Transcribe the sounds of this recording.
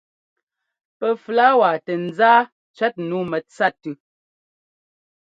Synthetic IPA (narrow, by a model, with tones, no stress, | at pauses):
pə˨fla˦wa˨tə˨n̩˨zaː˦ | t͡ʃɥɛ˦t̚nu˨˦mɛ˨t͡sa˦tʉ˨